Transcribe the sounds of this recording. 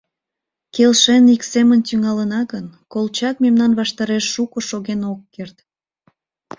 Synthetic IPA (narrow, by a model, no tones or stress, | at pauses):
kelʃeniksemənt̪yŋɑlənɑɣənkolt͡ɕɑk̚memnɑnβɑʃt̪ɑɾeʃːukoʃoɣenokːert̪